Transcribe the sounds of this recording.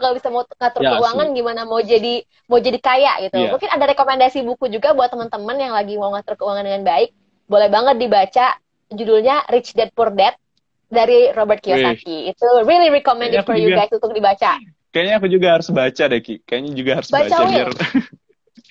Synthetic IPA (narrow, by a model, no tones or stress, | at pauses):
kalobisamauŋat̪ʊrkəuwaŋanɡimanamaud͡ʒadi | maud͡ʒadikaja̰ʔɡit̪umuŋkɪnadaɾekomɛndasibukud͡ʒuɡabuat̪ːəmənt̪əmənjaŋlaɡimawŋat̪ʊrkəuwaŋandəŋanbaɪk̚ | bolɛhbaŋət̪̚dibat͡ʃa | d͡ʒudulɲaɾɪt͡ʃdɛt̪̚purdɛt̪̚ | daɾirobərt̪kiosakiːt̪uriliɾikomɛ̃ndɪɔrjuɡɡajsunt̪ʊk̚dibat͡ʃa | kajaɲaːkud͡ʒuɡahaɾʊsbat͡ʃadakikajaɲad͡ʒuɡahaɾʊsbat͡ʃaawɪr